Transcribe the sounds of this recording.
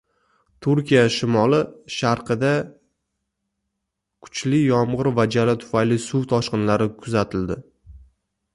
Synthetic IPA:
t̪ʰʊɾkʲijaʃɪmɒlɪʃaɾqʰɨd̪a | kʰʊ̥t͡ʃlɪjɒmʁɨɾvad͡ʒalat̪ʰʊ̥fajlɪsuwt̪ʰɒʃqɨnlaɾɪkʰʊzat̪ʰɪld̪ɪ

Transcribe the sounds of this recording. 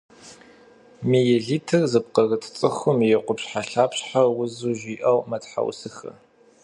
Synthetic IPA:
mijɛɮiːtʰɨrzɨp̚qɐɣɨtʰt͡sʼɨxʊmjɛqʷʊpɕħaɬaːpɕħawʊzuʒiːʔɐwmɐtħa̰wsɨxɐ̰

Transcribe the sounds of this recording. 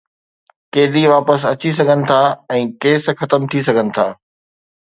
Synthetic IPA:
keːd̪iʋaːpəsɐt͡ɕis̬ɐɡʱənɪ̆t̪ʰaːɛ̃ːkeːsxɐt̪əmt̪ʰisɐɡʱənɪ̆t̪ʰaː

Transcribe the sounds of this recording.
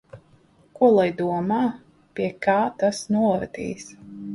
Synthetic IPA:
kuɔlˠajd̪uɔmaː | pʲiɛkaːt̪asnuɔɾa̰t̪ḭːs

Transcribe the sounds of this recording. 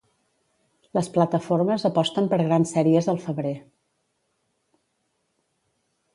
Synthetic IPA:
ləsplət̪əfoɾməzəpɔst̪əmpəɾɣɾansɛɾiəzðəlˠfəβɾe

